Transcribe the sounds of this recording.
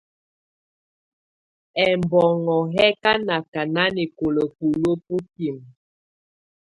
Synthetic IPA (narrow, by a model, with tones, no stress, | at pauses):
ɛ˨mbɔ˨ŋɔ˨ɦɛ˦ka˦na˨ka˨na˦ni˨ko˨lə˨pu˨lo˦pu˦ki˨m